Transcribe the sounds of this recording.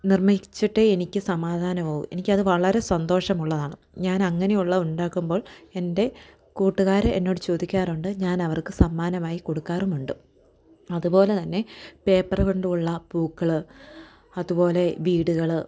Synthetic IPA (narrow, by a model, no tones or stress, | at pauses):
nirmɐt͡ɕːiʈːeenikʲːɨsɐmaːd̪ʱaːnɐpoːʋṵmenikʲːɐðɨʋɐɭɐɾe̞sɐnd̪o̞ːʂɐmuɭːɐðaːɳɨ | ɲaːnɐŋːɐne̞juɭːɐuɳɖaːkːumbo̞ːɭe̞nde̞ | kuːʈːuɣaːɾɐʔenːo̞ːɽɨt͡ɕo̞ːd̪ikʲːaːruɳɖɨɲaːnɐʋɐrkɨsɐmːaːnɐmaːjiko̞ɽukːaːrumuɳɖɨ | ɐðupo̞ːle̞t̪ɐnːe̞pe̞ːpːɐrɐkoɳɖuuɭːɐbuːkːɐɭɨ | ɐðupo̞ːle̞ʋiːɽuɣɐɭ